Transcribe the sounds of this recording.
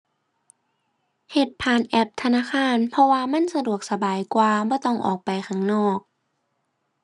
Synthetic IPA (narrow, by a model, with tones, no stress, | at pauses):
he˨˩t̪̚pʰaː˨˩nʔɛ˧˩p̚t̪ʰa˧naː˧˥˨xaː˧˥˨npʰɔ˧waː˧ma˧˥˨nsa˧du˨˩ək̚sa˧baː˨˩jkwaː˧bɔː˧˦t̪ɔ˧˥˩ŋʔɔ̰ː˨˩k̚pa˨jxʰa˧˩ŋnɔː˧˩k̚